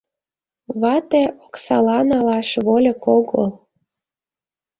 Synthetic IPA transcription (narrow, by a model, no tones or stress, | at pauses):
βɑt̪eʔoksɑlɑnɑlɑʃβolʲekoɣəlˠ